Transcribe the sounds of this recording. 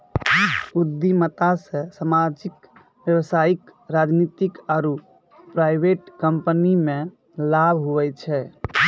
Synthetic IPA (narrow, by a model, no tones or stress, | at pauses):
ud̪imət̪asə̃samad͡ʒik | bjəwsaikɾad͡ʒnit̪ikaɾu | pɾajbeʈkəmpənimẽ | labʱɦuʋɛt͡ʃʰɛ